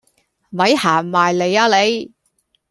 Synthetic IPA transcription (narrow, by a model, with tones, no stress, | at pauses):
mɐ˨˧˥jhaː˨˩maː˨jle˨˧jaː˧˥le˨˧j